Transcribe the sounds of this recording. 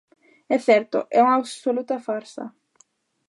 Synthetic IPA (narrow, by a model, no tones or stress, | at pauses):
ɛθɛɾt̪o̰ʔɛuŋaβsolut̪afaɾsa̰